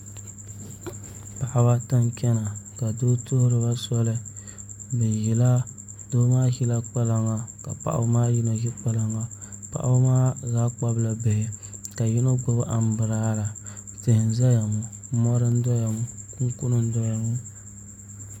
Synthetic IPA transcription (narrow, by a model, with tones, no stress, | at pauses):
pa˨ʔa˨ba˦ta˦ŋkʲɛ˦na˨ka˨doː˦to˦hʊ˦ɾɨ˨ba˦sɔ˦lɨ˦ | bɛ˨ji˨la˦ | doː˦maː˦hi˦la˦k͡pa˦la˨ŋa˨ka̰˨pa̰˨ʔa̰˦maː˦ji˦na˨hi˦k͡pa˦la˨ŋa˨pa̰˨ʔa̰˦maː˦zaː˦k͡pa˦bla˨bɪ˨hɪ˨ka˨ji˦no˦ɡʊ˦bɨ˦ʔa˨m˦bɨ˨ɾaː˦la˨tɪ˨hɪ˨n˨za˦ja˨mu˨ | mɔ˦ɾɨ˦n̩˦dɔ˦ja˨mu˨ku˦ŋ˦ku˦nɨ˦n̩˦dɔ˦ja˨ŋu˦